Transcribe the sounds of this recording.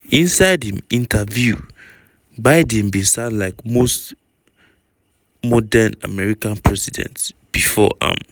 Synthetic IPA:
ĩnsaɪdhĩmĩntʰavju | baɪdɛ̃nbĩsãnlaɪkmost | mɔdəna̰mɛɹikãnpʰɹɛsidɛ̰̃ntsb̥ifɔ̰ʔã̰m

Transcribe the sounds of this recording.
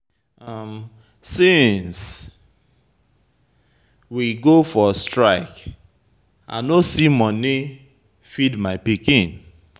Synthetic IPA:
ʌm | sĩns | wiɡofɔstɹaɪk | a̰nosimɔni | fidmaɪpikĩn

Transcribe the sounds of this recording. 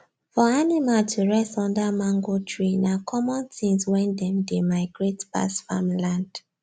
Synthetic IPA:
fɔanimaltʰuɹɛstɔ̃ndamãŋɡotʰɹinakʰɔmɔ̃nθĩŋswɛ̃ndɛ̃mdemaɪɡɹetba̰sfa̰mlãnd̥

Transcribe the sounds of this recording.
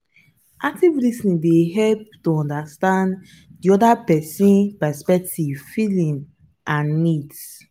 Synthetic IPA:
ʔak̚tivlisĩdeɦɛlp̚toɔ̃ndastãnd | diɔdapɛsĩnpɛspɛk̚tivfilĩm | ʔãnːits

